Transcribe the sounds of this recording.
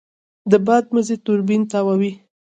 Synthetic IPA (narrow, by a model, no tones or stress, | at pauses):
d̪əbɑd̪̚məzet̪ʊɾbint̪awawi